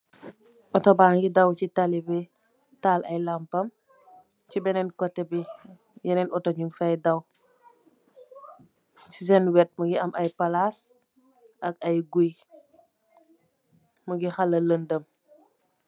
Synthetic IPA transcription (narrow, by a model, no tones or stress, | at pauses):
ʔɔtɔbaːŋɡidawt͡ʃitalibi | taːlɐjlampɐm | cibɛnɛnkɔtːɛbi | jɛnɛnʔɔtoɲuŋfajdaw | sis̬ɛnwɛt̚muɡiɐmɐjpalas | ʔɐkɐjɡuj | muɡixalɐləndəm